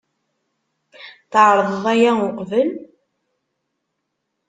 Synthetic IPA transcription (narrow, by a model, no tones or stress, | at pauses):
θəʕɾˤəðˤðˤæjæʊqvəl